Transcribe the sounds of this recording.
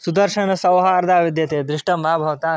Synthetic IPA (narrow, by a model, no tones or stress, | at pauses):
sud̪ɐɾʂɐɳ̃ɐsɐʋɦɐaɾd̪ʱaːʋid̪jɐt̪eːd̪ɾɪʂʈɐmabʱɐʋt̪aː